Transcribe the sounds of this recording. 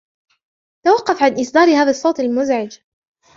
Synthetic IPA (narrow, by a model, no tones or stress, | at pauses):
t̪awɑqːɑfʕanʔɪsˤd̪ɑːɾhaːðasˤːowt̪ˤalmʊzʕɪd͡ʒ